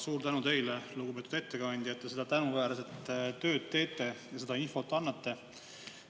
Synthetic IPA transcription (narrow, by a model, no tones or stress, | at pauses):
suːɾt̪ænut̪e̞jleluɡ̥upe̞ːt̪ud̪̥e̞t̪ːekɑnʲd̪̥ʲjɑet̪ːˑesed̪̥ɑt̪ænuvæːɾɑse̞t̪ːt̪ːø̞ːd̪̥̚t̪e̞ːt̪ˑːe̞jɑse̞d̪̥ɑinfo̞t̪ːˑɑnːɑt̪ːe̞